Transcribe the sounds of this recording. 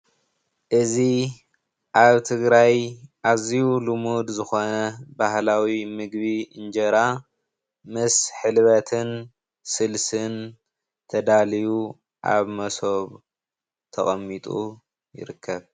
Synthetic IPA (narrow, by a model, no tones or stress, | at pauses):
ʔɨzi | ʔaβt̪ʰɨɡɾajʔaziulumud̪zɨxo̞nɐbahlawimɨɡβiɨnd͡ʒɐɾa | mɨsħɨlβɐt̪ʰɨn | sɨlsɨn | t̪ʰɐd̪aliju | ʔa̰βmɐsoβ | t̪ʰɐχʼɐmːit̪ʼu | jɪ̰ɾɨkʰːɐβ